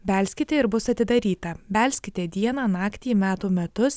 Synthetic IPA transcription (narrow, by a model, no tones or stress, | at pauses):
bʲæːlʲsʲkʲɪt̪ʲeːɪɾbʊsɐt̪ʲɪd̪ɐɾʲiːt̪ɐbʲælʲsʲkʲɪt̪ʲeːd̪ʲiɛnɑːnɑːkt̪ʲiːmʲæːt̪uːmʲɛt̪ʊs